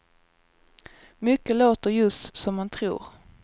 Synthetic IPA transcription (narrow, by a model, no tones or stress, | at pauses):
mʏkːəloːt̪əɾjɵst̪sɔmːant̪ʰɾṵːɾ